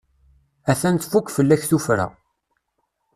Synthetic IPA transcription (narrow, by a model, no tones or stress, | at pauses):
æθænt̪fukʷːfəlːæçθufɾæ̰